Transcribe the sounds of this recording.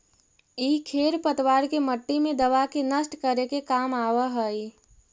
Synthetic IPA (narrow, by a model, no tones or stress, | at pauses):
iːkʰeːɾpət̪ʋaːɾkeməʈːimẽd̪əʋakenəsʈkəɾekekamawəɦəi